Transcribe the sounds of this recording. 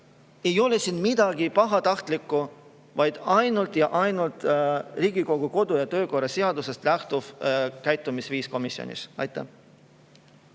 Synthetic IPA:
e̞jo̞le̞siːnmid̪̥ɑɡ̥ipɑɦɑt̪ɑht̪likːˑu | vɑjd̪̥ɑjnult̪jɑʔɑjnult̪ˑriːɡ̥iko̞ɡ̥uko̞d̪̥ujɑt̪ø̞ːko̞rːɑse̞ɑd̪̥use̞st̪læht̪uvkæjt̪ːˑumisviːsko̞misio̰nʲḭsɑ̰jt̪ːˑæ̰

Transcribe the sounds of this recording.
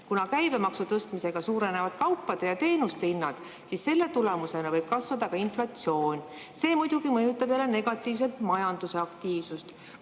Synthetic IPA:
kunɑkæjbe̞mɑksut̪ɤst̪mise̞ɡ̥ɑsuːɾe̞ne̞vɑd̪̥kɑwpːˑɑd̪̥ejɑt̪e̞ːnust̪einːɑd̪̥ | sisse̞lːe̞t̪ulemuse̞nɑvɤjb̥̚kɑsvɑd̪ɑkɑinflɑt̪sio̞ːnʲ | se̞ːmujd̪̥uɡ̥imɤjut̪ːˑɑb̥jælːene̞ɡ̥ɑt̪ːˑiːvs̬e̞lt̪mɑjɑnd̪̥use̞ɑkt̪iːv̥sust̪

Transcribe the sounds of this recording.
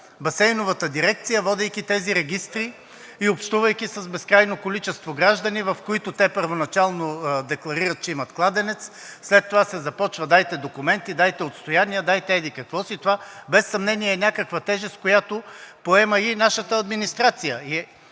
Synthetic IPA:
bɐsɛjnovət̪əd̪iɾɛkt̪sijəvɔd̪ɛjkʲit̪ɛziɾɛɡʲist̪ɾi | iopʃt̪uvəjkʲisɐzbɛskɾajnokolit͡ʃɛst̪voɡɾaʒd̪ɐnivɐfkoit̪ʊt̪ɛpəɾvonɐt͡ʃalˠnod̪ɛklˠɐɾiɾɐt̪̚t͡ʃɛimɐt̪klˠad̪ɛnɛt̪s | slɛt̪ːovasɛzɐpɔt͡ʃvəd̪ajt̪ɛd̪okʊmɛnt̪id̪ajt̪ɛot̪st̪ojaniəd̪ajt̪ɛɛd̪ikɐkvɔsit̪ovabɛsːɐmnɛniɛːnʲakəkvɐt̪ɛʒɛskojat̪opoɛməinaʃət̪əɐd̪minist̪ɾat̪sijəi

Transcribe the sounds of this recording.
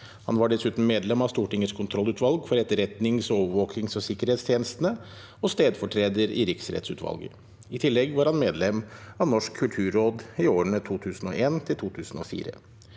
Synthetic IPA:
hɑ̰nʋɑɖɛsʉːt̪n̩meːd̪lɛmɑʋst̪uːʈɪŋəskʰʊnt̪ʰɾɔlːʉːt̪ʰʋɑlɡfɔɾɛt̪ːəɾɛt̪nɪŋsɔoːʋəɾʋoːknɪŋsɔsɪkːəɾeːt̪st̪jeːnəst̪ənə | ɔst̪eːd̪fɔʈʰɾeːd̪əɾɪ̰ɾɪksɾɛ̰t̪sʉ̰ːt̪ʰʋɑ̰lɡə̰ | ɪt̪ʰɪlːɛɡʋɑɾhɑnmeːd̪lɛmɑʋnɔʂkʰːʉlt̪ʰʉːɾːoːd̪ɪoːəɳət̪ʰuːt̪ʰʉːsn̩ɔʔeːnt̪ʰɪlt̪ʰuːt̪ʰʉːsn̩ɔ̰ːfḭːɾə̰

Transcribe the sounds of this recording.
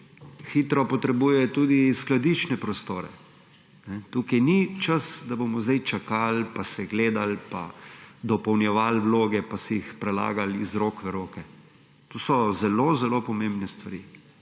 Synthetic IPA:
xit̪ɾɔpɔt̪ɾɛbuːjɛt̪uːd̪isklad̪it͡ʃnɛpɾɔst̪oːɾɛ̰ | nɛt̪uːkajnit͡ʃəsd̪abomɔzd̪ajt͡ʃakalpasɛɡleːd̪alpa̰d̪ɔpɔwnjɛʋalwloːɡɛpasɛjixpɾɛla̰ːɡalizɾoːkʋɛɾoːkɛ | t̪oːsɔzɛloːzɛloːpɔmẽmbnɛst̪ʋaɾi

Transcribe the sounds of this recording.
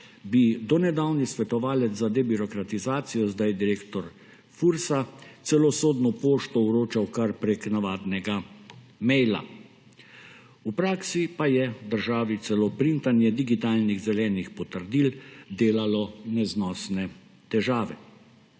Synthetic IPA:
bid̪ɔnɛd̪awnisʋɛt̪ɔʋaːlɛt̪zzad̪ɛbiɾɔkɾat̪izaːt̪sijɔzd̪ajd̪iɾeːkt̪ɔɾ | fuɾsasɛlɔsoːd̪nɔpoːʃt̪ɔwɾoːt͡ʃawkaɾpɾeknaʋaːd̪nɛɡa | mɛjla̰ | upɾaːksipajɛd̪əɾʒaːʋit̪sɛlopɾint̪anjɛd̪iɡit̪aːlniɣzɛlɛːnixpɔt̪əɾd̪ild̪eːlalɔnɛznɔːsnɛ | t̪ɛʒaːʋɛ

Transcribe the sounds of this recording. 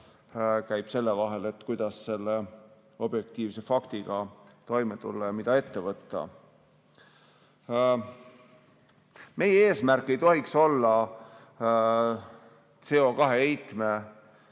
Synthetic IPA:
kæjb̥se̞lːevɑɦe̞le̞t̪ːkujd̪̥ɑsːe̞lːe | o̞b̥je̞k̚t̪iːvse̞fɑkt̪iɡ̥ɑt̪o̞jmet̪ṵlːɑjɑmid̪̥ɑe̞t̪ːe̞vɤt̪ːɑ̰ | me̞jee̞ːsmærkːˑe̞jt̪o̞ɦikso̞lːɑ | t̪se̞o̞kɑɦe̞ejt̪ˑme̞

